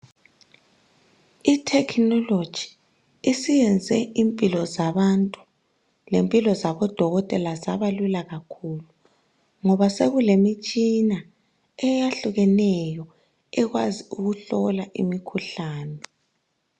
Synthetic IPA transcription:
itʰɛkʰnɔlod̥ʒ̥ʱi | isijɛnd͡zʱɛʔimpʼilɔzaβantʼu̥ | lempʼilɔzaβɔd̥ʱɔɣɔtʼɛlazaβalulaɣakʰuːlu | ŋɔβaseɣulemit͡ʃʼina | ɛjaɬuɣɛnɛjɔ | ɛɣwaziuɣuɬɔlaʔḭmikʰuɬaːnɛ

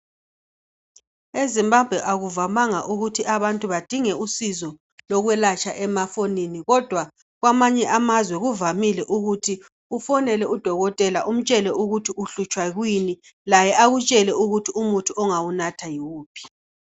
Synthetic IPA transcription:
ezimbab̥ʱwɛʔaɣuvamaŋaʔuɣutʰiʔaβantʼuβad̥ʱiŋɛusizɔ | lɔɣwɛlat͡ʃʼaʔɛmafoniniɣɔd̥ʱwa | ɣwamaɲɛʔamazwɛɣuvamilɛʔuɣutʰi | ufɔnɛlɛud̥ʱɔɣɔtʼɛlaʔum̩t͡ʃʼɛlɛʔuɣutʰiuɬut͡ʃʼwaɣwini | lajɛʔaɣut͡ʃʼɛlɛuɣutʰiumutʰuɔŋawunatʰajuːpʰi̥

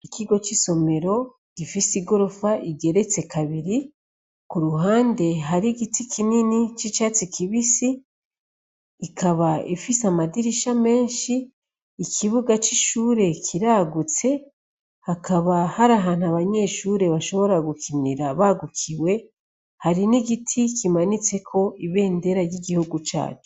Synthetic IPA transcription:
ikiɡo̞t͡ʃiso̞me̞ɾo̞ | ɡ̥ifisiɡo̞ɾo̞faʔiɡe̞ɾe̞t͡se̞kʰaβiɾi | kuɾuɦaːnde̞ɦaɾiɡitikʰininit͡ʃit͡ʃaːt͡sikiβisi | kʰaβaḭfisamadiɾiʃame̞ːnʃiː | kʰiβuɡat͡ʃiʃuːɾe̞kʰiɾaːɡut͡se̞ | hakʰaβahaɾaɦaːn̥huaβaɲe̞ʃuːɾe̞βaʃo̞βo̞ɾaɡukiniɾaβaɡukʰiwe̞ | haɾiniɡitʰikimanit͡se̞kʰo̞iβe̞ːnde̞ɾaɾɟiɡihuɡut͡ʃa̰ːt͡ʃu̥

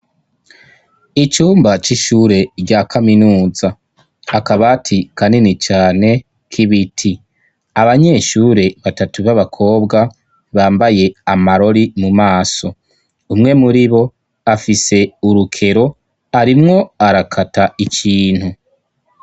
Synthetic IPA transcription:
it͡ʃuːmbat͡ʃiʃuːɾe̞ɾɟaːkʰaminuːza | akaβatʰikʰaninit͡ʃaːne̞ | kʰiβitʰi | aβaɲe̞ːʃuːɾe̞βatatuβaβakʰo̞ːbɡa | βaːmbaje̞amaɾo̞ɾimumaːso̞ | umŋe̞muɾiβo̞ | afise̞uɾukʰe̞ɾo̞ | aɾimŋo̞aɾakʰataikʰiːn̥hu

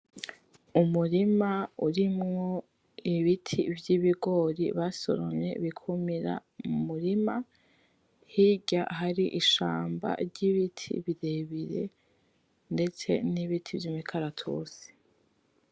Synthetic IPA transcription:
umuɾimauɾimŋo̞ | iβitʰḭvjiβiɡo̞ːɾḭβaso̞̰ɾo̰ɲɲe̞̰βikʰumiɾa̰mumuɾima | hiɟaɦaɾiʔiʃaːmba̰ɾɟiβitʰḭβiɾe̞βiɾe̞̰ | nde̞t͡se̞̰niβitʰivjimikʰaɾatʰṵsi̥

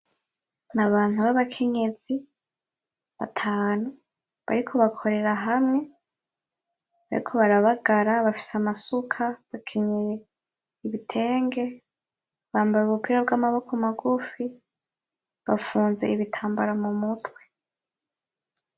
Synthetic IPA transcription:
naβaːn̥uβaβakʰe̞ɲe̞z̥i | βa̰tʰaːnu | βa̰ɾikʰo̞βakʰo̞ɾe̞ɾaɦamŋe | βaɾḭkʰo̞βaɾaβaɡaɾaβafi̥seamasukʰaβakʰe̞ɲeje | iβitʰe̞ːŋɡe̞ | βaːmbajuβupiɾab̚ɡaːmaβo̞komaɡufi | βafuːnze̞iβitʰaːmbaɾamumutwe̞

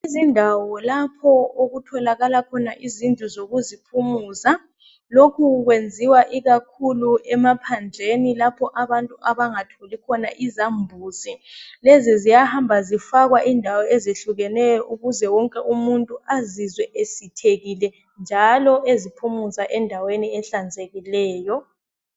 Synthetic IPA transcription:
izindʱawɔlapʰɔoɣutʰɔlaɣalakʰɔnaʔizintʼuzoɣuzipʰumuːsa | lokʰuɣwend͡zʱiwaʔiɣakʰuluɛmapʰand͡ɮʱenilapʰɔʔaβantʼuʔaβaŋatʰolikʰɔna̰ʔizambʱuːsilezizijahambʱazifaɣwaʔindʱawɔezeɬuɣɛnɛjɔʔuɣuzɛwɔŋkʼɛʔumuntʼuazizwɛʔesitʰeɣilɛ | nd͡ʒʱalɔezipʰumusaʔɛndʱaweniɛɬand͡zʱeɣilɛːjɔ

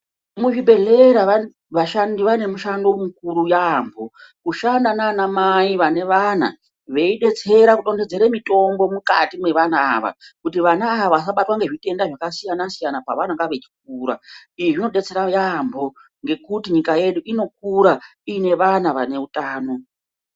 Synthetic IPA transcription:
muʐibʱe̞ɮe̞ɾaʋa | ʋaʃandiʋane̞muʃando̞mukuɾujambo̞ | kuʃandananamaiʋane̞ʋan̤a̰ | ʋe̞iɗe̞t͡se̞ɾakuɗo̞nded͡ze̞ɾemito̞mbo̞muka̰timwe̞ʋana̰ːʋa̰kutiʋanaːʋaʋas̬aɓatwaŋɡe̞ʐite̞ndaʐakasijanasijanapa̰ʋanaŋɡaʋe̞t͡ʃi̥k̚uːɾa̰iʐʐino̞ɗe̞t͡se̞ɾajambʱo̞ | ŋɡe̞kutiɲikaje̞ɗuʔino̞k̚uɾaine̞ʋanaʋane̞utaːno̞

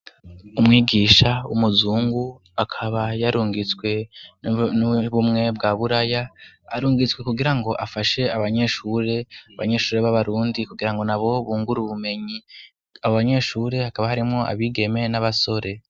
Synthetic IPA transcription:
umŋiːɡiːʃaumuzuːŋɡu | akʰaβajaɾuːŋɡit͡swe̞ | nβumŋe̞b̚ɡaβuɾajaːɾuːŋɡit͡swe̞kuɡiɾaŋɡo̞ʔafaʃe̞aβaɲe̞ːʃuːɾe̞aβa̰ɲe̞ʃuːɾe̞βaβaɾuːndikuɡiɾaŋɡo̞naβo̞βuːŋɡuɾuβume̞ɲi | aβoβaɲe̞ːʃuːɾe̞hakaβahaɾimŋo̞a̰βiːɡe̞me̞naβaso̞ɾe̞

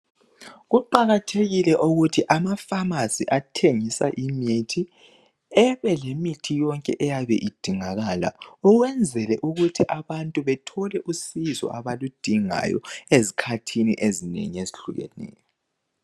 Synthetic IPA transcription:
ɣuǃaɣatʰeɣilɛʔuɣutʰiʔamafamasiʔatʰeŋisa̰ʔimitʰi | ɛβɛlemitʰijɔŋkʼɛʔɛjaβɛʔid̥ʱiŋaɣaːla̰ɔɣwɛnd͡zʱɛlɛʔuɣutʰiʔaβantʼuβɛtʰɔlɛʔusizɔ̰ʔaβalud̥ʱiŋa̰jɔ̰ezikʰatʰinḭʔezinḛŋieziɬuɣɛ̰nɛ̰ːjɔ

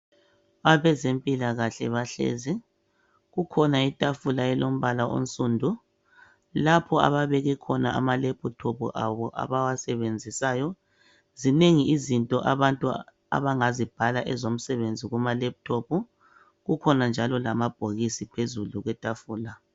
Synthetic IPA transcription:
aβɛzempʼilaɣaɬɛβaɬḛːzi | ɣukʰɔnaitʼafulaɛlom̩βalaʔo̰n̩sʼuːndʱu | lapʰɔa̰βaβeɣɛkʰɔnaʔa̰malɛp̚ʰutʰopṵʔaβɔʔa̰βawasɛβend͡zʱisaːjɔ | zineŋiizintʼɔʔaβantʼu | a̰βaŋazib̥ʱalaʔɛzom̩sɛβend͡zʱiɣumalɛp̚tʰopu | ɣukʰɔnand͡ʒʱalɔlamab̥̚ʱoɣisipʰezuluɣwɛtʼafuːla

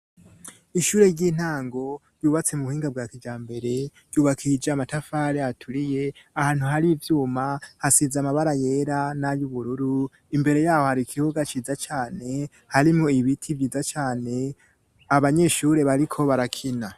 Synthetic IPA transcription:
iʃuːɾe̞ɾɟiːn̥haːŋɡo̞ɾjuːβat͡se̞muβuhiːŋɡab̚ɡaːkid͡ʒaːmbe̞ɾe̞̥ | juːβakʰid͡ʒamatafaɾeatʰuɾije̞ahaːn̥huɦaɾivjuːmahasizamaβaɾaje̞ːɾanajuβuɾuɾu | imbe̞ɾe̞jaːho̞haɾikʰihoɡat͡ʃiːzat͡ʃaːne̞ | haɾimŋo̞iβitʰivjiːzat͡ʃaːne̞ | aβaɲe̞ʃuːɾe̞βaɾikʰo̞βaɾakʰina

